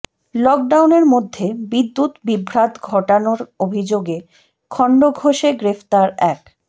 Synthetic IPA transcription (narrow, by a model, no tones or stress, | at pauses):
lɔk̚ɖawneɾmod̪ʱːebid̪ːut̪bibʱɾat̪ɡʱɔʈanoɾobʱid͡ʑoɡe | kʰɔɳɖoɡʱoʃeɡɾeft̪aɾɛk